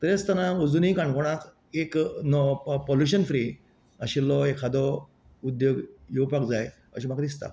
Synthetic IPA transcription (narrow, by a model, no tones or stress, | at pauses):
t̪əɾjet͡st̪anaod͡zunikãɳɖkoɽ̃at̪ | eknɔpoljuɕənfɾi | əɕilːɔekʰad̪ɔ | ud̪joɡjewpakd͡zaj | ə̰ɕ̬imakad̪ist̪a̰